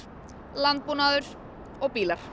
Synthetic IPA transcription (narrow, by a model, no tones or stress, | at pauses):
lant̪̚puːnaðʏɾ | ɔɣpiːlaɾ̥